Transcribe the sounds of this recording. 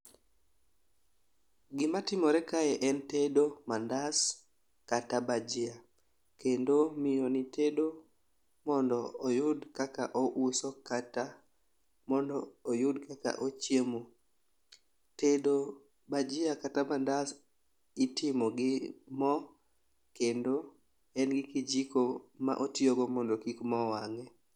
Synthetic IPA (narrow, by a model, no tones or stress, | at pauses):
ɡɪmatɪmɔɾɛkaɛʔɛntedomandas | katabad͡ʒɪa | kendomɪonitʰedo | mɔndɔːjʊdkakaʔɔʔusɔkata | mɔndɔːjʊdkaka̰ʔot͡ʃjemo | tedo | bad͡ʒɪakatamandas | itɪmɔɡɪmɔ | kendo | ɛnɡɪkid͡ʒikoma̰ʔotioɡɔmɔndɔkikmɔwaŋɛ